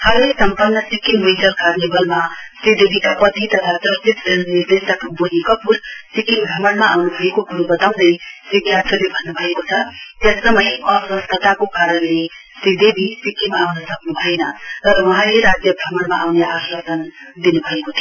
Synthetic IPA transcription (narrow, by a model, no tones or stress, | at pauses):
hʌlesʌmpurnʌsikinmijtʌlkarnibʌlmasɾid̪ebʱikapʌt̪it̪ʌt̪ʰad͡zʌsit̪enid̪est̪ʌk̪abonikʌpursikimɡʱʌmʌnmaawnubʱʌekokuɾubʌt̪awd̪ʌjsiɡʱjat̪ʰʌlebʱʌnːubʱʌekot͡sʰʌt̪esːʌmʌjʌsʌst̪ʰʌt̪akokaɾʌnle | sɾid̪ebʱisikimaawnʌsʌknubʱʌenʌt̪ʌɾʌwʌɦãleɾad͡zjʌɡʱʌmʌnmaʔawneasʌd̪ʌnd̪inubʱʌekot̪ʰi